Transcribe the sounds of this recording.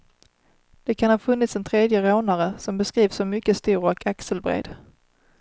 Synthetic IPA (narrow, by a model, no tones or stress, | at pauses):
d̪̥ɛkʰanhɑːfɵnːɪt̪sɛnt̪ʰɾeːd̪jəɾoːnaɾəsɔmbɛskɾiːvsɔmʏkːəst̪uːɾɔkʰaksəlbɾḛːd̪̥